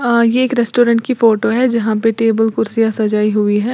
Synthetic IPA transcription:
jeeːkɾɛsʈoːɾə̃ɳʈ̚kifoːʈoɦɛd͡ʒɐɦãpeʈeːbəlkʊɾsijasɐd͡ʒaːiɦuiɦɛː

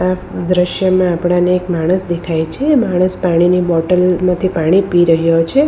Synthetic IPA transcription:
ad̪ɾəʃjəmãapɽ̃aneːkmaɽ̃əsd̪ekʰajt͡ʃʰeːmaɽ̃əspaɽ̃inibɔʈəlmãt̪ʰipaɽ̃ipiɾəɦjot͡ʃʰe

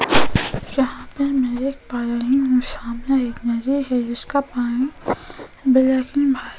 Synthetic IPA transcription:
jɐɦãpemɛ̃eːk̚paːɾaɦĩɦũsaːmnaeːknad͡ʒiɦɛd͡ʒɪskapaːnĩ | bɪlaːkɪnbʱaː

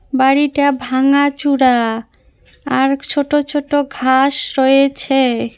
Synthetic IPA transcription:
baɽiʈabʱaŋat͡ɕuɽa | aɾt͡ɕʰoʈot͡ɕʰoʈoɡʱaʃɾoet͡ɕʰe

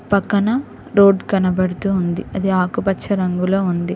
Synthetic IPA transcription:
pɐkːɐnɐ | ɾoːɖkɐnɐbɐɽut̪uːnd̪iɐd̪iaːkupɐt͡ʃʰːɐɾɐŋɡulo̞ːund̪i

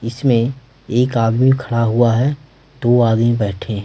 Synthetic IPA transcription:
ɪsmẽ | eːkaːd̪mikʰəɽaɦʊaɦɛ | d̪̥oːaːd̪mĩbɛːʈʰẽ

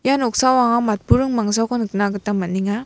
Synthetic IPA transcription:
janɔk̚sawaŋamat̚puɾɯŋmaŋzawkɯnɯknaɡɯtamɐniŋa

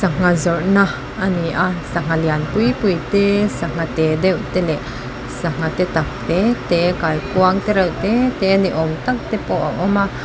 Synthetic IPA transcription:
saŋazɔɹna | aniasaŋalianpujpujt̪esaŋ̥at̪ed̪ewt̪ele | saŋat̪et̪ak̚t̪et̪ekajkuaŋt̪eɾawt̪et̪eniʔɔmt̪ak̚t̪epɔwʔa̰ʔɔma

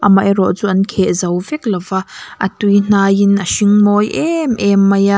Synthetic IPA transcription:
ʔɐmajɾɔʔt͡suʔɐnkʰɛʔzɐwvɛk̚lɐvaʔɐtujn̥aːjinɐʃiŋmɔjʔɛmʔɛmːɐja

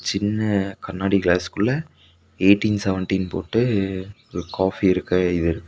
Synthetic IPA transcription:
t͡ʃɪnːɐkɐnːaːɽikɭaːskɯɭːɐ | eːʈːinsɛʋɛɳʈinpo̰ːʈːɯ | ɔɾɯkaːfiɪɾɯkːɐɪðɯɪɾɯkːɯ

